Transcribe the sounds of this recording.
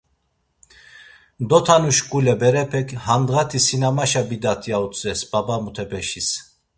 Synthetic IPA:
d̪ɔt̪ʰanuʃkʼulɛbɛɾɛpʰɛkʰhand̪ʁat̪ʰisinamaʃabid̪at̪ʰiaut͡sʼɛsbabamut̪ʰɛbɛʃis

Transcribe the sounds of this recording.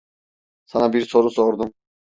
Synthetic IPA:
sanabiɾsʰɔɾusɔɾd̪um

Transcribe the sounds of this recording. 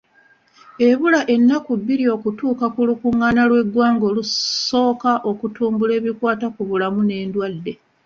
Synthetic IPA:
e̞βulaʔe̞nːakubːiɾio̞ːkutuːkakulukuŋːanalwe̞ɡwaːŋɡo̞ːluso̞ːkaʔo̞kutuːmbule̞ːβikwaːtakuβulamune̞ːndwadːe̞

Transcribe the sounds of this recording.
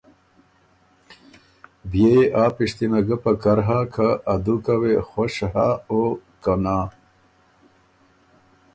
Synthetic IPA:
bjeeʔaːpiʂt̪imaɡəpakɐɾɦakʰaːd̪ukawexoʂɦaokanaː

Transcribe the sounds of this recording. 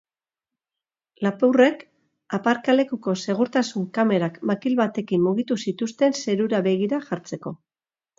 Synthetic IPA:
lapure̞k | apaɾkale̞kuko̞se̞ɣ̞uɾt̪asuŋkame̞ɾakmakilβat̪e̞kimmuɣ̞it̪usit̪ust̪e̞nse̞ɾuɾaβe̞ɣ̞iɾaʝaɾt͡se̞ko̞

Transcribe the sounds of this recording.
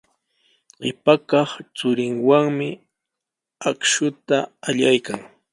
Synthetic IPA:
ɢɪpakɑχt͡sʊɾɪŋwaŋmɪ | akʃʊt̪aaʎajkaŋ

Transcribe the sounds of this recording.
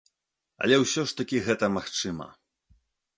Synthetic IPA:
ɐ̰lʲɛwsʲɔʂt̪ɐkʲiɣɛt̪ɐmaxt͡ʂɨmɐ̰

